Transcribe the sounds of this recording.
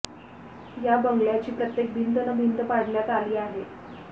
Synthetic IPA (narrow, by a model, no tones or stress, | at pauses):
jabəŋɡɭjat͡ɕiːpɾət̪jek̚bʱind̪ənəbʱind̪əpaɽljat̪aliːaɦe